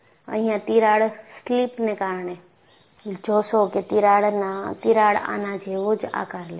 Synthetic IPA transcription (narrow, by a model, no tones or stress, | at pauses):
ə̰̃ɦĩjãt̪iɾaːɽsliːpnẽkaːɾɳe | d͡ʒoːsoket̪iɾaːɽnãt̪iɾaːɽa̰ːnãd͡ʒʱeʋod͡ʒa̰ːkaɾle